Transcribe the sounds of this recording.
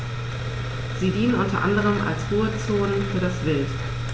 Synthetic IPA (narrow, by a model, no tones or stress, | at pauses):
z̥iːdiːnənʔʊntɐ̰ʔa̰ndəʁ̞əma̰lsʁ̥uːət͡soːnənfyːɐɾasv̥ɪlt